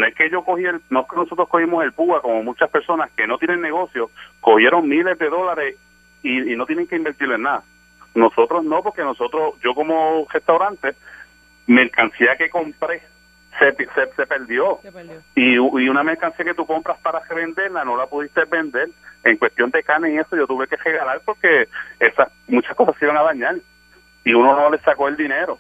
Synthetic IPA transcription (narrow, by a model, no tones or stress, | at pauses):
noeskeʝo̞kohielnoeskeno̞so̞t̪ɾohko̞himose̞lpuako̞mo̞mut͡ʃaspe̞ɾso̞naske̞no̞t̪jenẽ̞nːe̞ɣo̞sjo̞sko̞hje̞ɾo̞ŋmĩle̞zðe̞ðo̞laɾe̞s | iino̞t̪jeneŋkeĩmbe̞ɾt̪iɾloenːaða | no̞so̞t̪ɾosno̞po̞ɾke̞no̞so̞t̪ɾosd͡ʒo̞ko̞more̞st̪awɾant̪e | me̞ɾkansiake̞kompɾe | sepsese̞pe̞ɾd̪jo̞iuiuname̞ɾkansiake̞t̪uko̞mpɾaspaɾareβe̞nd̪e̞ɾlano̞lapuðist̪ebe̞nd̪e̞leŋkwest̪jo̞nd̪e̞kaneie̞soʝo̞t̪uβeke̞re̞ɣalalpo̞ɾke̞esasmut͡ʃasko̞sasiβaŋaðaɲal | iunono̞le̞sako̞eld̪ine̞ɾo